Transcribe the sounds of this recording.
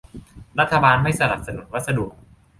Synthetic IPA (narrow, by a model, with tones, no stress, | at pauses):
ɾa˦˥t̪ʰːa˧baː˧nma˥˩jsa˧na̰˨˩p̚sa˧nu˨˩˦n̚wa˦˥t̪̚sa˧du˨˩ək̚